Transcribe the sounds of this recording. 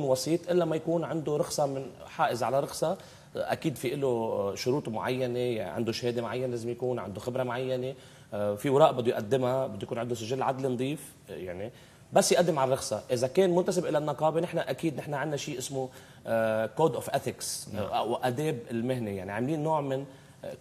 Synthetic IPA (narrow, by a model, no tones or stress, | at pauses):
nwɑsˤiːt̪ˤʔɪlːamːajakuːnʕɪnd̪oɾˤɑxsˤɑmɪn | ħaːʔɪzʕalaɾˤɑxsˤɑ | ʔa̰kiːd̪fiʔɪloʃʊɾuːt̪ˤmʊʕa̰jːaneʕɪ̰nd̪oʃheːd̪emʕajːaneleːzɪmjakuːnʕɪ̰nd̪oxɪbɾˤɑmʕajːane | fiwɑɾˤɑːʔbɪd̪ːʊjʔad̪ːɪmabɪd̪ːujkuːnʕɪnd̪ʊsɪʒɪlːʕad̪lind̪ˤiːf | ja̰ʕni | basːjʔad̪ːɪmʕalrˤɑxsˤɑʔɪzakeːnmʊnt̪asɪbʔɪlanːɑqɑːbenɪħnaʔakiːd̪nɪħnaʕɪnːaʃiːʔɪsmo | koːd̪ʔofʔeθɪkswʔad̪eːbɪlmɪɦneja̰ʕniʕamliːnːoːʕmɪn